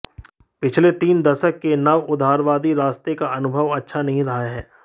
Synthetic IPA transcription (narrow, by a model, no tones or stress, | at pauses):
pɪt͡ʃʰlet̪iːnd̪ɐʃəkːenɐʋʊd̪ʱaːɾʋaːd̪iɾaːst̪ekaʔɐnʊbʱəʋɐtːʃʰanɐɦĩɾɐɦaɦɛː